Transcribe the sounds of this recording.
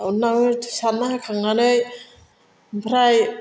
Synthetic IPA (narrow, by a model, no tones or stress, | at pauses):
unːawɯtʰsanːaakʰaŋːanɯj | mpʰɾaj